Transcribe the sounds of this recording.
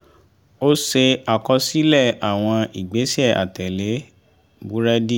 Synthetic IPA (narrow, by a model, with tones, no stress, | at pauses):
o˦se˧a˨kɔ˧si˦lɛ˦˨a˨w̃ɔ̃˧i˨ɡ͡be˨˦si˦ɛ˦˨ʔa̰˨tɛ˨le˨˦ | bu˦ɾɛ˦di˦˨